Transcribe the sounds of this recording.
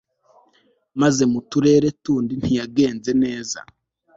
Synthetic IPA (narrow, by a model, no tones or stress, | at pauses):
maze̞mutuɾe̞ːɾe̞tuːndin̥hijaɡe̞ːnze̞ne̞ːza̰